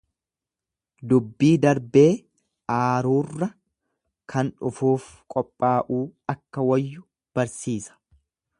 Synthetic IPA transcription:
d̪ʊbːiːd̪ɐɾbe̞ː | ʔaːɾuːrːɐ | kʰɐnᶑʊfuːf | kʼɔpʼːaːʔuːɐkːɐwɐjːʊ | b̥ɐɾsiːsɐ̥

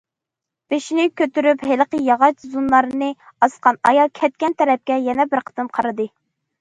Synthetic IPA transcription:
b̥eʃinɪkʲʰøt̪yɾypɦelqəjɑʁɑt͡ʃzunlɑɾɨnɨ | ɑsqɑnɑjɑlˠkʲʰɛt̪̚kʲɛnt̪ʰɛɾɛp̚kʲɛjɛnɛbɪɾqʰə̥t̪ɨmqʰɑɾɨd̪ɨ

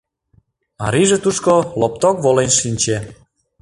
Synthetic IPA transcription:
ɑ̰ɾiʒet̪uʃkolop̚t̪okβolenʃinʲt͡ɕe

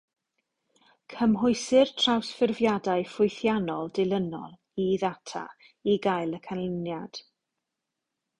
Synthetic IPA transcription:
kʰəmɦʊɨsɪrtʰrawsfɪrvjadaɨfʊjθjanɔlˠdɪlˠənɔ̰lˠ | iðatʰa̰ | iɡajlˠəkʰanlɪnjad̥

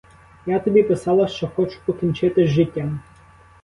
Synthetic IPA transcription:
jat̪ɔbʲipɪsɑlˠɐʃt͡ʃɔxɔt͡ʃʊ̥pɔkʲinʲt͡ʃɪt̪ɪʒɪtʲːam

